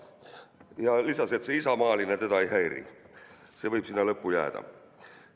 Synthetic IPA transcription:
jɑlisɑse̞t̪se̞isɑmɑːlinet̪e̞d̪ɑejɦæjɾḭ | se̞vɤjb̥sinːɑlɤpːujæ̰ːd̪̥ɑ̰

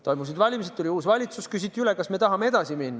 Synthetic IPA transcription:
t̪o̞jmusid̪vɑlʲimiset̪t̪ːulʲiuːsvɑlʲit̪suskys̬ʲit̪ʲːˑiylekɑsme̞t̪ɑɦɑmeed̪ɑsiminːɑ

